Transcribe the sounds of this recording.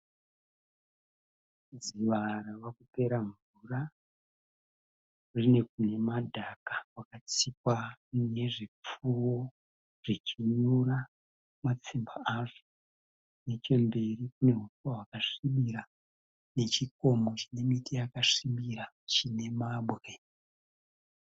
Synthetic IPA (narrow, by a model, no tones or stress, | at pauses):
d͡ziʋaɾaʋakupe̞ɾaɱvura | rine̞k̚une̞madʱakakwakat͡sikwane̞ʐip͡fuwo̞ | ʐ̥it͡ʃiɲura | mat͡simbaaʐo | ne̞t͡ʃe̞mbe̞rikune̞ɦufuwaɦwakaʂiɓiɾa | ne̞t͡ʃiko̞mo̞t͡ʃine̞mitijakaʂiɓiɾa | t͡ʃine̞maɓɣe